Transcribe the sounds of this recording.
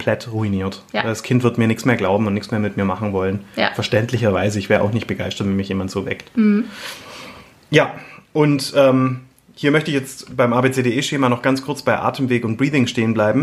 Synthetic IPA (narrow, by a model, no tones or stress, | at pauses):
mpʰl̥ɛtʁuiniːɐtaɪldaskʰɪntv̥ɪɐtmiːɐnɪçsmeːɐɡlaʊbm̩ʊntnɪçkt͡ssmeːɐmɪtmiːɐmaχn̩vɔlənfɛɐʃtɛntlɪçɐvaɪzəɪçvɛːʁəʔa̰ʊxnɪçt̚b̥əɡaɪstɐtvɛnmɪçjeːmantz̥oːvɛ̰kt | jaːʔʊntʔɛːm | hiːɐmœçtəɪçjɛt͡stb̥aɪmʔaːbeːt͡seːdeːɛːʃeːmanɔχɡ̥ant͡skʰʊɐt͡sb̥aɪʔa̰ːtʰəmveːkʊnt̚b̥ʁiːfɪŋʃteːənblaɪbm̩